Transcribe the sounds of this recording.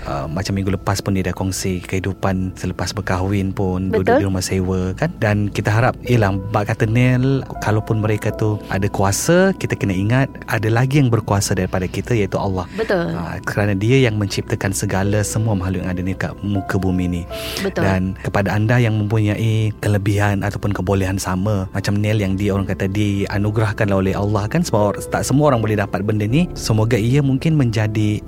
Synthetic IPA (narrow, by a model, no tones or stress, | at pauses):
ʔə̰ːat͡ʃamːĩŋɡuləpaspʊndidakɔŋsikəhidupansələpasbəkaɦuwɪnpʊnduduiɾumahsewəkandankit̪əɦaɾap̚iəlahbaʔkat̪ənɪlkalawpʊnməɾekat̪uʔa̰dakuasakit̪akənaʔiŋat̪̚ʔadalaɡijaŋbərkuasadaɾipadakit̪ajaʔit̪uʔa̰lːɑhbət̪ulə̰kəɾanadiəjaŋmə̃ɲt͡ʃip̚t̪əkansəɡalasəmuamaɦalujaŋadanik̪a̰ʔmukəbuminibət̪dankəpadaːndajaŋmə̃mpuɲaʔikələbiɦanat̪awpʊnkəbolɛɦansaməmat͡ʃamnɛljaŋdiəoɾaŋkat̪adia̰nuɡɾahkanlaɦolɛɦalːɑhkansəmut̪aʔsəmuaoɾaŋbolɛhdapat̪̚bəndənisəmoɡaiəmuŋkɪnməɲd͡ʒadi